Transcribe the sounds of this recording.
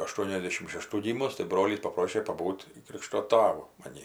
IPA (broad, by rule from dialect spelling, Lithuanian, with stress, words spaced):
ɐˈʃtuɔnʲɛzʲˌdʲeːʃʲɪm ʃʲɛˈʃtuː ˈɡʲiːmʊs tɐɪ ˈbroːlʲiːs pɐˈproːʃʲeː pɐˈbuːtʲ ˈkrʲiːkʃtoː ˈtɑːʋʊ mɐˈnʲiː